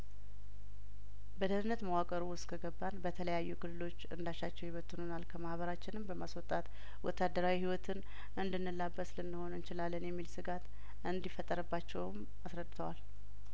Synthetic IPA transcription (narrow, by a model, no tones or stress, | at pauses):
bəd̪ənɨnːət̪mawakʼəɾuwʊst̪kʰəɡəbːanbət̪ʰələjajːukɨlːɨlo̞t͡ʃːɨnd̪aʃːat͡ʃːɛwjɪβət̪ʰʼːunonalkʰəmahβəɾat͡ʃːɪnɨmbəmaswɔt̪ʼat̪ | wɔ̰t̪ːad̪əɾawihiwɔt̪ʰɨn | ʔɨnd̪ɨnːɨlːabːəslɨnːɨho̞nɨnt͡ʃɪlalːənjɛmːilsɨɡat̪ | ʔɨnd̪ifːət̪ʼːəɾɨbːat͡ʃːɛwm | asɾəd̪ːɨt̪ʰəwal